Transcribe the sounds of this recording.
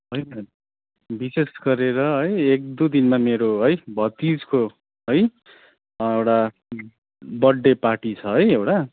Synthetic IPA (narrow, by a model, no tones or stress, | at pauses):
ɦʌjnʌ | bisesɡʌɾeɾʌɦʌjek̚d̪ud̪inmameɾoɦʌjbʱʌt̪id͡zko | ɦʌj | ewʈa | bʌɖːeparʈit͡sʰʌɦʌjewʈa